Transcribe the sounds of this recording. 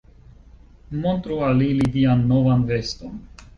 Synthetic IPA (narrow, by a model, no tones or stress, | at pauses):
mont̪ɾualilidianːo̞vanve̞sto̞n